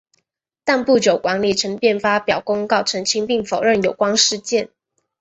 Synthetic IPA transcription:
t̪a˥˧npu˥˩t͡ɕjo˨˩ʊkwa˧˥nli˨˩ʈ͡ʂʰə˧˥ŋpjɛ˥˩nfa˥pjɑ˨˩ʊkʊ˥ŋkɑ˥˩ʊʈ͡ʂʰɤ˧˥ŋt͡ɕʰi˥ŋpi˥˩ŋfo˨˩ʊɻə˥˩njo˨˩ʊkwɑ˥ŋʂɻ̩˥˧t͡ɕjɛ˥˨n

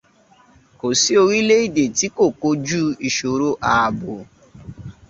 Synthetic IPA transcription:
ko˨si˦o˧ɾi˦le˦i˦˨de˨ti˦ko˦˨ko˦d͡ʒu˦i˨ʃo˨ɾo˦ʔa˨bʊ˨

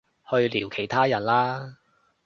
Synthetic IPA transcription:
hɵ˧ɥliː˨˩wkʰe˨˩jt̪ʰaː˥jɐ˨˩nlaː˥

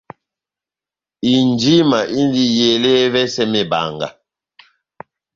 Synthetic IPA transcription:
i˨nd͡ʒi˦ma˨ʔi˦n˦di˦je˨le˦vɛ˦sɛ˦mɛ˨ba̰˨ŋɡa̰˨

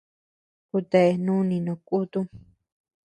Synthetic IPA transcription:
ku˧t̪e˧˨˧nũ˦nĩ˧nõ˧˨kʼu˦t̪u˦

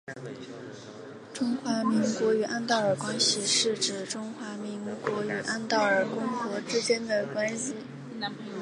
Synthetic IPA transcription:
ʈ͡ʂʊ˥ŋxwa˧˥mi˧˥ŋkwɔ˧˥y˨˩ʔa˥nt̪ɑ˥˩ʊə˞˨˩kwa˥nɕi˨˩ʂɻ̩˥˩ʈ͡ʂɻ̩˨˩ʈ͡ʂʊ˥ŋxwa˧˥mi˧˥nkwɔ˧˥y˨˩ʔa˥nt̪ɑ˥˩ʊə˞˨˩kʊ˥ŋxwɔ˧˥ʈ͡ʂɻ̩˥t͡ɕjɛ˥nd̪ə˨kwa˥nɕi˨˩

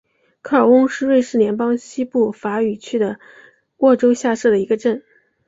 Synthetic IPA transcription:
kʰa˥˩ə˞˨˩ʊ˥ŋʂɻ̩˥˧we˥˧ɪʂɻ̩˥˩ljɛ˧˥npɑ˥ŋɕi˥pu˥˩fa˧˥y˨˩t͡ɕʰy˥d̪ə˨ | wɔ˥˩ʈ͡ʂo˥ʊɕja˥˧ʂɤ˥˩d̪ə˩i˧˥ɡə˧ʈ͡ʂə˥˩n

